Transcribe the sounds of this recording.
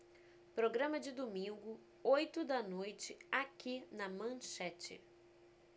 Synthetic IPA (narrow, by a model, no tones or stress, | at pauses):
pɾoɡɾɐ̃mɐd͡ʒɪd̪omĩŋɡʊ | ojt̪ʊd̪ɐnojt͡ʃɪakinɐmɐ̃ʃɛt͡ʃɪ̰